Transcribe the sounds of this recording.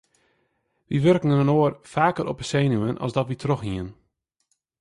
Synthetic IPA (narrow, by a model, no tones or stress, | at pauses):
ʋiʋørkn̩ənənoːərfaːkərɔpəseːnuənʔɔ̰sdɔtʋitʰrɔxɦiən